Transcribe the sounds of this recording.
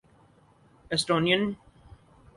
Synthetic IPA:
ɛsʈoːniə̃n

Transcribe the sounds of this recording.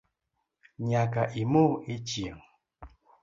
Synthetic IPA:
ɲakaʔimoit͡ʃiəŋ

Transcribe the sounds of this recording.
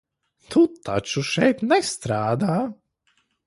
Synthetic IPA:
t̪ʰut̪ːa̰t͡ʃuʃɛjt̪nɛst̪ɾaːd̪aː

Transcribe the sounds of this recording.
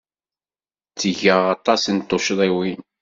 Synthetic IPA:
t͡st͡sːəʝəʁɑt̪ˤɑsənt̪ˤːoʃðˤiwin

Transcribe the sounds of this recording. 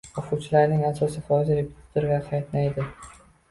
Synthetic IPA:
ɒfut͡ʃʰɪlaɾnɪŋasɒsɪfɒɪzaɾepʰʲʊ̥t̪ʰḁt̪ʊɾɡʲaqʰɑjt̪najd̪ɪ

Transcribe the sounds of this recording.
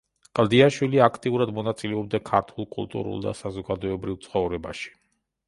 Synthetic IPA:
qʼlˠd̪iaʃwiliakʰt̪ʼiuɾad̪mɔnat̪sʼilɛɔb̚d̪akʰaɾt̪ʰulˠkʼṵlˠt̪ʼṵɾṵlˠd̪a̰sazɔɡad̪ɔɛbɾivt̪sʰχɔvɾɛbaʃi̥

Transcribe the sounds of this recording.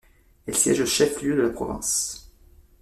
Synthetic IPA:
ɛlsjɛ̰ʒləʃɛfljød̪əlapχɔ̰vɛ̰̃s

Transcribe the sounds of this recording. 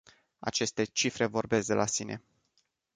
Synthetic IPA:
a̰t͡ʃe̞st̪e̞t͡ʃifɾe̞vo̞rbe̞sk̚d̪elʔasine̞̰

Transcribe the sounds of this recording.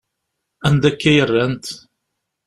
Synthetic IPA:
ænd̪ækːæjərːænt̪

